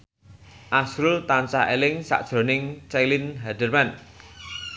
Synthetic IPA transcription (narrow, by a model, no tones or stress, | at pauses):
ʔasɾʊlt̪ant͡ʃaelɪŋsa̰ʔd̥ʒ̥ɾo̤nɪŋt͡ʃɛlinɦadərman